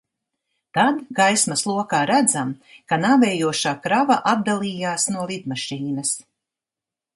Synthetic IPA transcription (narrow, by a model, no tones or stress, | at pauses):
t̪ad̪ɡajsmɐslˠuɔkaːɾæd̪zamkanaːvɛːjuɔʃaːkɾavaʔat̚d̪alˠiːjaːsnuɔlid̪maʃiːnɐs